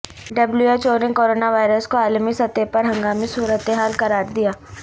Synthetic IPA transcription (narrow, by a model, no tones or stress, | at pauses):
ɖɐbluet͡ʃoːɾɪ̃ŋkoːɾoːnaʋaːɪɾəskoaːlmisɐt̪epɐɾɦɐ̃ŋɡaːmisuːɾət̪eɦaːlkɐɾaːɾd̪ijaː